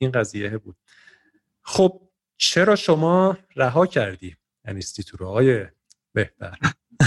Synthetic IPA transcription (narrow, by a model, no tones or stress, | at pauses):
iːnɢæziːjeebuːd̪̥̚ | xob̥̚ | t͡ʃʰe̞ɾɒːʃomɒː | ɾæɦɒːcʰæɾd̪iː | ænist̪it̪ʰuɾːɒːje | b̥e̞ht̪æ̰ɾ